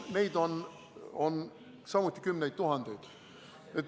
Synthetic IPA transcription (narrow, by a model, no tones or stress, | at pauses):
me̞jd̪̥o̞n | on | sɑmut̪ʲˑːi̥kymnejd̪̚t̪uɦɑnd̪̥e̞jd̪̥ | et̪